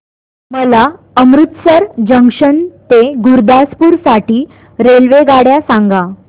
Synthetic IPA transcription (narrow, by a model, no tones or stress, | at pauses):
məla | əmɾut̪səɾd͡ʑəŋkʂənt̪eɡuɾd̪aspuːɾsaʈiː | ɾelʋeɡaɽjasãŋɡa